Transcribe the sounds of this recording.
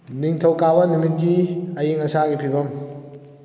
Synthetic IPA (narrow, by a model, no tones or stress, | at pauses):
niŋtʰɐwkabɐnumit̚ɡiɐjeŋɐsaɡipʰibɐm